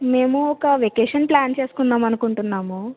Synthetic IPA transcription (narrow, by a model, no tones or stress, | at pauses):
me̞ːmuɔkɐʋekeːʂɐnplaːnt͡ʃe̞ːsu̥kunːaːmɐnukuɳʈunːaːmu